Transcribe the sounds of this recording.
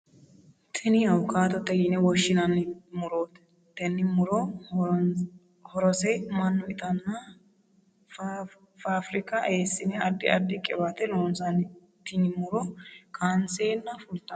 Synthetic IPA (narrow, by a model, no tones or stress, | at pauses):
t̪ʰɪnɪɐwkaːt̪ɔt̪ːɛɡinɛwɔʃːɪnɐnɪmʊɾoːt̪ | t̪ɛnːɪmʊɾɔ | hɔɾɔsɛmɐnːʊɪt̪ʼɐnːɐ | faːfɾɪkɐeːsːɪnɛɐd̪ːɪɐd̪ːɪkʼɛbat̪ɛloːnsɐn | t̪ːɪnɪmʊɾɔkʰaːnseːnːɐfʊlt̪ːɐ